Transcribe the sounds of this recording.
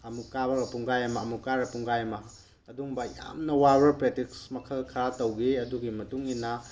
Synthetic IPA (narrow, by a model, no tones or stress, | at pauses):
ɐmukabɐɡɐpuŋɡajɐmɐːmukaɾɐpuŋɡajɐmɐː | duŋbɐja̰mnɐwabɐɾpɾetiksmɐkʰɐlkʰɐɾatɐwɡeɐduɡimɐtuŋinːɐ